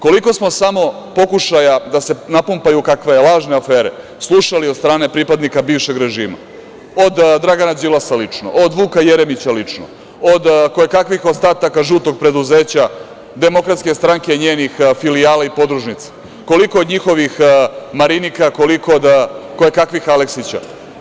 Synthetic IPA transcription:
ko̞liko̞smo̞samo̞ | po̞kuʃajad̪ase̞napumpajukakʋe̞jelˠaːʒneafeːɾe̞̰ | slˠuʃaliod̪st̪ɾaːne̞pɾipad̪nikabiːʋʃe̞ɡɾe̞ʒiːma̰ | od̪d̪ɾaɡanad͡ʒ̪ilˠasalit͡ʂno̰ʔod̪ʋuːkajeɾe̞mit͡ɕalit͡ʂno | od̪koekakʋixost̪aːt̪akaʒuːt̪o̞ɡ̚pɾe̞d̪uzeːt͡ɕa | d̪e̞mo̞kɾat̪ske̞st̪ɾaŋke̞iɲeːnixfilijaːlaipo̞d̪ɾuʒnit̪sḁ | ko̞liko̞od̪ɲixo̞ʋixmaɾinikako̞liko̞od̪ko̞ekakʋixaleksit͡ɕa̰

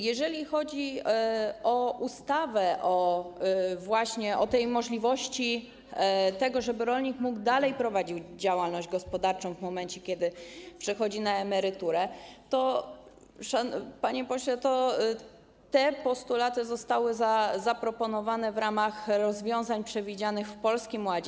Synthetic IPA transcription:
jɛʐɛlʲixɔd͡ʑi | ɔʔust̪avɛʔɔ | vwaɕɲɛʔɔt̪ɛjmɔʐlʲivɔɕt͡ɕi | t̪ɛɡɔʐɛbɘɾɔlɲikmuɡd̪alɛjpɾɔvad͡ʑiwd͡ʑawalnɔʑd͡ʑɡɔspɔd̪aɾt͡ʂɔ̃w̃vmɔmɛnt͡ɕɛkʲɛd̪ɘpʂɛxɔd͡ʑinaɛmɛɾɘt̪uɾɛt̪ɔ | ʂapaɲɛpɔɕlɛt̪ɔ | t̪ɛpɔst̪ulat̪ɘzɔst̪awɘzazapɾɔpɔnɔvanɛvɾamaxɾɔzvʲjɔ̃w̃zaɲpʂɛvʲid͡ʑanɘxfpɔlskʲimwad͡ʑ

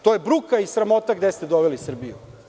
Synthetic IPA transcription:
t̪ojebɾukaisɾamo̞t̪aɡd̪est̪e̞d̪oʋelisr̩bijṵ

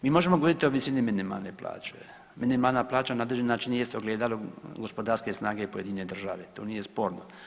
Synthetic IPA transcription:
miːmo̞ʒemoɡooɾit̪ioʋisilniminima̰lnepla̰ːt͡ʃue | minimaːlnaplˠaːt͡ʃanaod̪leʒenːaːt͡ʃinjesoɡleːd̪aloɡospod̪aɾskesnaːɡepoje̞d̪iɲned̪r̩ʒa̰ʋet̪oːnije̞spo̞ːɾno

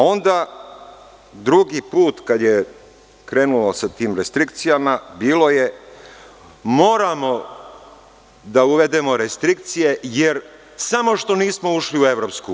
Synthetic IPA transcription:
o̞nd̪a | d̪ɾuɡipuːt̪kad̪je | kɾe̞ːnulosat̪iːmɾest̪ɾikt̪sijamabiːlo̞je̞ | mo̞ːɾamo̞ | d̪auʋe̞d̪e̞mo̞ɾest̪ɾik̚t̪sije̞jeɾ | samo̞ʃt̪o̞niːsmo̞uʃliue̞ʋɾo̞psku

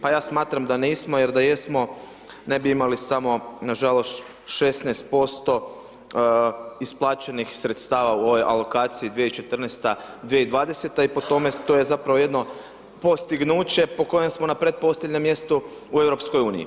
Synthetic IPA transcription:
pajaːsmaːt̪ɾamd̪aniːsmoje̞ɾd̪aje̞smo̞ | ne̞biimalisamo̞naʒalo̞st̪ | ʃe̞snɛjst̪̚po̞st̪o̞ | isplˠaːt͡ʃe̞nixsɾe̞t̪st̪aːʋauo̞ʋo̞jʔa̰lo̞kaːt̪siid̪ʋijeit͡ʃe̞t̪rnɛst̪a | d̪ʋijeid̪ʋaːd̪e̞set̪aipo̞t̪o̞met̪oje̞zapɾaʋoje̞d̪no̞ | po̞st̪iɡnuːt͡ɕe̞po̞ko̞jemsmo̞napɾe̞t̪̚po̞slʎʲeʎʲɲemje̞st̪u | ue̞vɾopsko̞juːnḭḭ

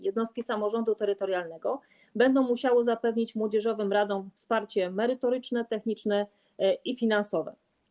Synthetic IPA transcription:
jɛd̪nɔst̪̚kʲisamɔʐɔnd̪ut̪ɛɾɘt̪ɔɾjalnɛɡɔ | bɛnd̪ɔ̃w̃muɕawɔzapɛvɲit͡ɕmwɔd͡ʑɛʐɔvɘmɾad̪ɔ̃mfspaɾt͡ɕɛmɛɾɘt̪ɔɾɘt͡ʂnɛt̪ɛxɲit͡ʂnɛ | ifʲinansɔvɛ̰

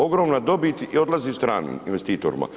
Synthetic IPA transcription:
o̞ɡɾomnad̪o̞bit̪io̞d̪lˠazist̪ɾaːnḭminʋest̪iːt̪o̰ɾma̰

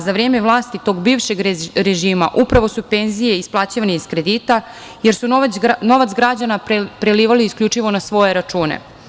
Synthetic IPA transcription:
zaʋɾeːme̞ʋlˠaːst̪it̪o̞ːɡbiːʋʃe̞ɡɾeʒiːma̰ʔupɾaʋo̞supe̞nzijeisplˠaːt͡ɕiʋaneiskɾe̞d̪iːt̪a | je̞ɾsuno̞ʋat̪sɡɾad͡ʑanapɾeliːʋaliːskʎʲut͡ʂiʋo̞nasʋo̞jeɾat͡ʃuːnḛ

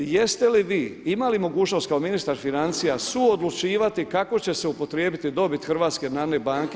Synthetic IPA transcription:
je̞st̪e̞liʋiːimalimo̞ɡuːt͡ʃno̞st̪kaominist̪aɾfinant̪sijasuod̪lˠut͡ʃiːʋat̪ikako̞t͡ɕe̞se̞upo̞t̪ɾjeːbit̪id̪o̞bit̪xrʋaːt̪ske̞d̪nane̞baːŋke

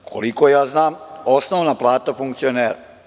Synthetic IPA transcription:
kʰo̰likojaːznaːmosnoːʋnaplˠaːt̪afuŋkt̪sijoneːɾa

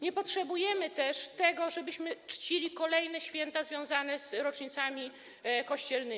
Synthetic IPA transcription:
ɲɛpɔtʂɛbujɛmɘt̪ɛʂt̪ɛɡɔʐɛbɘɕmɘt͡ʂt͡ɕilʲikɔlɛjnɛɕfʲjɛnt̪azvʲjɔ̃w̃zanɛzɾɔt͡ʂɲit̪samʲi | kɔɕt͡ɕɛlnɘ

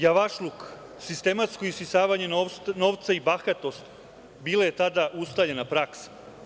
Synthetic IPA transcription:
jaʋaʃluk | sist̪e̞mat̪sko̞ispisaːʋaɲe̞nnoʋt̪saibaxat̪o̞st̪ | biːlajet̪ad̪aʔust̪aʎenapɾaksḁ

